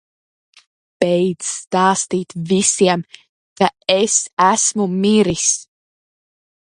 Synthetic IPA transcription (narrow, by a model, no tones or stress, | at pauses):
pɛjdt̪zst̪ɑːst̪iːt̪visiɛm | kaesæsmumiɾis